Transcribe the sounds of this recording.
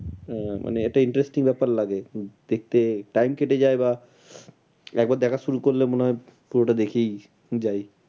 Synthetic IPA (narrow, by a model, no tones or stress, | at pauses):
mʔa̰neeʈaiɳʈɾesʈiŋbɛpaɾlaɡed̪̥ek̚t̪eʈajmkeʈed͡ʑaeba | ɛk̚baɾd̪ɛkʰaʃuɾukoɾlemoneɦɔe | puɾoʈad̪ekʰej | d͡ʑaj